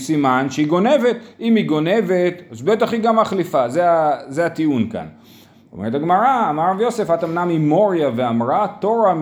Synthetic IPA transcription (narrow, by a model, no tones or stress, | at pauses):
simanʃeiɡo̞ne̞ve̞t̪imiɡo̞ne̞ve̞t̪azbetaχiɡamaχlifazeazeat̪iunka̰n | o̰meʁet̪aɡmaʁaːmaʁavjo̞se̞fhat̪amnamimo̞ʁjaveamʁat̪o̞ʁam